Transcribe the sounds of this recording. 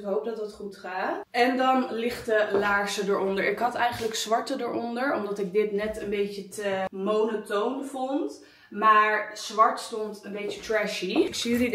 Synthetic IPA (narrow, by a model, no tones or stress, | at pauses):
kɦowp̚dɑtətχutχaːtɛndɑnlɪχtəlaːɹsədəːɹɔndəɹʔɪkɦɑtɛjχənləksʋɑɹtədəɹɔndəɹɔmdɑtɪɡ̚dɪtnɛtənbejcətəmownotownvɔnt | maːɹz̥ʋɑɹtstɔntənbejcətɹɛʃiksii